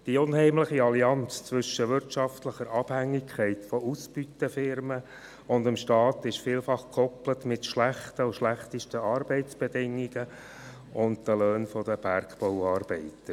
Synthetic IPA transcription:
d̥iʊnhɛɪmləχiɑliɑnt͡st͡sʋʏʃəʋɪɾtt͡ʃɑftləχəɾɑb̥hæŋːɪkʰχɛɪtfɔusb̥ytəfɪɾmə | ʊndɪmʃtɑːt̪ɪʃfiːlfɑχkʰɔplətmɪtʃlæχtəʊʃlæχtəʃtəɑːɾbɛɪt͡sb̥edɪŋːiɡ̥ə | ʊndd̥əlœːnfɔd̥əb̥æɾkpɔʊɑːɾb̥ɛɪtə

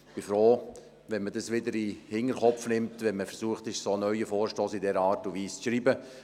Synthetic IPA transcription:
b̥ifɾoː | ʋɛnmədɑsʋɪdəɾihɪŋəɾχɔpfnɪmtʋɛnməfəɾsuəχtɪʃsoːnœʏəfoːɾʃtɔːsidɛɾəɑːɾtuviːst͡sʃɾiːbə

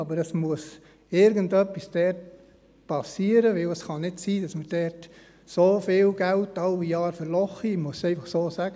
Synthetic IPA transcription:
ɑbəɾɛsmuəs | ɪɾɡəntœpːisd̥ɛrt | pʰɑsiːəɾəʋɪləsχɑnɪdsiːd̥ɑsməɾd̥ɛɾt | soːfɪːlɡ̥æltːɑlijɑːɾfəɾlɔχimuəsɛɪfɑχsoːsæɡ̥ə

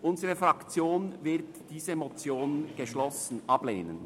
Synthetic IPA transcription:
ʔʊnzəʁəfʁɑkt͡sjoːnvɪʁtd̥iːzəmɔt͡sjoːnnɡ̥əʃlɔsn̩ʔɑb̥lḛːnə̰n

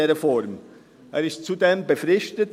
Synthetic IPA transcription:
ɛːʁəfɔɾm | ʔeːɾɪstt͡sudeːmbəfʁɪʃtət

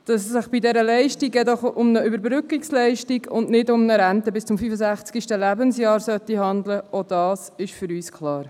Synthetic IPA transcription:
d̥ɑssɪχb̥idɛɾəlɛɪʃtiɡɛdɔχʊmnəybəɾbɾʏkikslɛɪʃtiɡʊndnɪdʊmnəɾænt̪əbɪst͡sʊmfyfəsæχt͡sɡ̥iʃtəlæbənsjɑːɾsœt̪ːihɑnd̪ləod̥ɑːsɪʃfʏɾyːskʰlɑːɾ

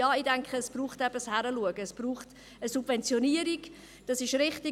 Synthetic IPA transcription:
ɑːidɛŋkχəːsb̥ruːχtɛb̥əshæɾəluəɡəːsb̥ruːχt | əsub̥vɛnt͡sjoniːəɾiɡ̥ | d̥ɑsɪʃɾɪχti

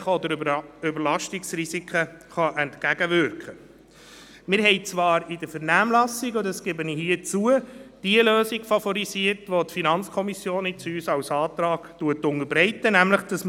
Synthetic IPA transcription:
χɔd̪əɾʏbəɾlɑʃtiksrisikχəχɑʔɛntkæɡəʋʏɾkχə | mɪɾɦɛɪt͡sʋɑːɾɪd̥əfəɾnæːmlɑsiɡʊdəskɛbənihiːət͡suəd̥iəløːsiɡfɑfɔɾisiəɾtʋotfinɑnt͡skʰɔmisjoːnɪt͡syːsɑwsɑːtɾɑːɡtuətʊŋəɾbɾɛɪtənæmləχd̥ɑsm

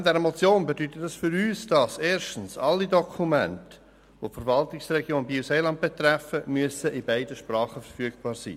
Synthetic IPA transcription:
dɛɾəmɔt͡sjoːnbedytətdɑsfʏɾyːsd̥ɑseːʃtən̩sɑlːidɔkʰumɛnt | ʋofəɾvɑltɪksrɛɡjoːnbiseːlɑndt̚b̥et̪rɛfəmyəsəʔɪbæɪdəʃprɑːχəfərfyəɡb̥ɑːɾsḭː

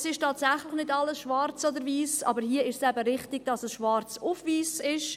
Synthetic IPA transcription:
sɪʃtɑːtsæχlɪχnɪdɑlːəsʃvɑɾt͡sodəɾviːsɑ̰ːbəɾhiːəɪʃsɛbəɾɪχtɪɡ̥̚d̥ɑsəsʃvɑɾt͡sufviːsɪʃ

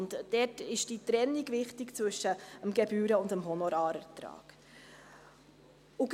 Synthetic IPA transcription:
ntd̥ɛtɪʃd̥itɾɛnːiɡvɪχtikt͡svʏʃːəəmɡɛbyːɾəʊndəmɦɔnɔɾɑːɾətɾɑ̰ːɡ̥ | uɡ

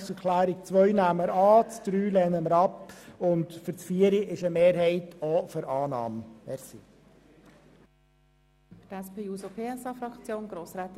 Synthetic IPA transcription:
səɾkʰlæːɾik̚t͡sʋœʏnæmːəɾɑːt͡sd̥ɾyːlɛnəməɾɑpʊntfʏɾt͡sfiːəɾiɪʃəmeːɾɦɛɪtʰoføɾʔɑːnɑ̰ːmɛɾsḭ | tɛspʰeːuːsopʰeːɛsɑfɾɑkt͡sjoːnɡɾoːsɾɛːt̪

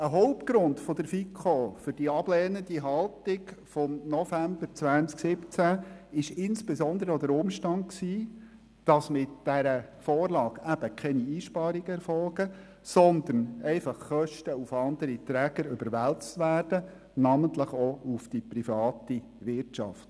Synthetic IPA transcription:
əɦɔʊp̚t̚ɡ̥ɾʊndfɔd̪əɾfikʰofʏɾd̥iɑb̥lɛːnəndiɦɑlˠtɪɡfɔmnɔfæmb̥əɾt͡sʋænt͡sksɪpt͡sæɪʃɪnsb̥ɛzɔnd̪əɾəɔd̥̪əɾʊmʃtɑnd̚ksiː | d̥ɑsmɪtd̥æɾəfɔːrlɑːɡæb̥əkʰɛniiːʃpɑːɾiɡ̥əɛɾfɔlɡə | sɔnd̪ənɛɪfɑχːœʃtəufɑnd̥̪əɾit̪ɾæɡ̥əɾʏbəɾʋælt͡stʋæːrd̥ə | nɑmənt̪ləχɔufd̥iprifɑːt̪i | ʋɪrtt͡ʃɑ̰ft

